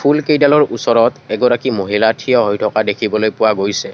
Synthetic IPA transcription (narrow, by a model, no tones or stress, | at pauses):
pʰulkejdalɔɹusɔɹɔtɛɡɔɹakimoɦilatʰijɔɦojtʰɔkadekʰibɔlojpʊwaɡojsɛ